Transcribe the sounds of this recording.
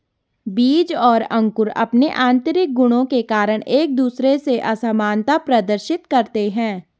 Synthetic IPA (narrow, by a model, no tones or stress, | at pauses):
biːd͡ʒɔːɾɐ̃ŋkʊɾɐ̰pneʔãːnt̪əɾɪk̚ɡʊɽ̃õkekaːɾəɽ̃eːk̚d̪uːsɾeseʔɐsamaːnt̪apɾɐd̪əɾʃɪt̪kɐɾt̪eɦɛ̃ː